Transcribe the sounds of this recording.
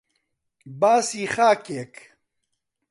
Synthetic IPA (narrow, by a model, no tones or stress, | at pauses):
baːsiːχaːkeːk